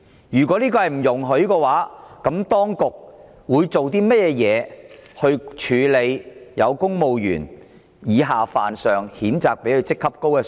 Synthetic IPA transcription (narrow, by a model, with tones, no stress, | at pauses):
jyː˨˩kʷɔː˨˥liː˥kɔː˧hɐ˨jm̩˨˩jʊ˨˩ŋɦɵ˨˥ɥkɛː˧waː˨˥kɐ˨˥mt̪ɔː˥ŋkʊ˨k̚ | wuː˨˧jt͡so˨wt̪iː˥mɐ˥t̚jɛː˧jɛː˨˧hɵ˧ɥt͡ʃʰyː˨˧le˨˧jjɐ̰˨˧wkʊ˥ŋmo˨wjy̰ː˨˩n | jiː˨˧ɦaː˨faː˨˩nsœː˨ŋhiː˨˥nt͡saː˨k̚pe˨˥jhɵ˧wt͡sɪ˥kʰːɐ˥p̚ko˥wkɛː˧